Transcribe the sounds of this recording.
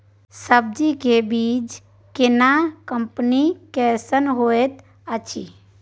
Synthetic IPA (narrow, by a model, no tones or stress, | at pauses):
səb̚d͡ʒikebiːd͡ʒ | kɪnakəmpnikɛːsənɦoːet̪ | ət͡ʃʰi